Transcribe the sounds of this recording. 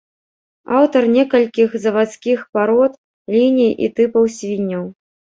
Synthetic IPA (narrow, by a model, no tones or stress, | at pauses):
awt̪ɐrnʲɛkɐlʲkʲixzɐvat̪skʲixpaɾɔt̪ | lʲinʲijʔḭt̪ɨpɐwsʲvʲinʲːɐw